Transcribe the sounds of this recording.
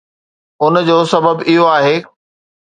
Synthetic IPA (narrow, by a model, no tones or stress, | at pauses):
ʊnd͡ʑoːsɐbəbɪɦoaːɦeː